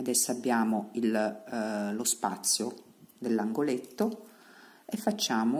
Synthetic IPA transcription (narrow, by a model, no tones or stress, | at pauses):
ad̪ɛsːabːjaːmoil | lospa̰t̪sːjo | d̪elːaŋɡolet̪ːo | efːat͡ʃːaːmo